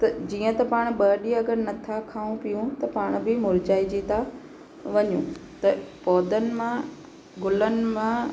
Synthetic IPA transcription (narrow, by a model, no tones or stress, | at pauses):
t̪ɐd͡ʑiːə̃t̪ɐpaːɽ̃ɓɐːɗiɐɡəɾnɐt̪ʰakʰaːũpijũt̪ɐpaːɽ̃bɪmʊɾd͡ʑaːid͡ʑit̪ʰa | ʋɐɲũt̪ɐpɔːd̪ənɪ̆mã | ɡʊlənɪ̆mã